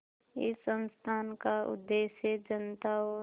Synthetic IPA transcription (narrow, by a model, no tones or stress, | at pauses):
ɪsːə̃nst̪ʰaːnkaʊ̰d̪ːeːʃed͡ʒənt̪aɔ